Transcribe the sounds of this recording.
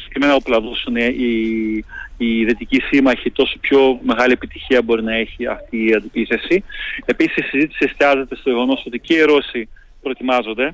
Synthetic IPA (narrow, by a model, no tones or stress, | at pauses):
ekɾime̞nɐoplɐðosinei | iðet̪icisimɐçit̪o̞so̥pço̞me̞ɣɐliepit̪i̥çiɐbo̞ɾinɐe̞çiɐ̰ft̪iːɐnd̪ipiθe̞sie̞pisi̥sisizit̪i̥siest̪iɐze̞t̪e̞st̪oʝeɣo̞no̞so̞t̪iceiɾo̞si | pɾot̪imɐzo̞nd̪e̞